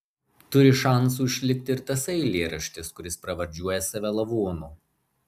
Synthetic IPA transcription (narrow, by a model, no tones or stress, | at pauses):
t̪ʊɾʲɪʃɑˑns̬uːʃʲlʲɪk̚ʲt̪ʲɪɪɾt̪ɐsɛɪlʲeːɾɐʃʲt̪ʲɪskʊɾʲɪspɾɐʋɐɾʲd͡ʒʲuɔjɛsɑʋʲɛlˠɐʋoːnuː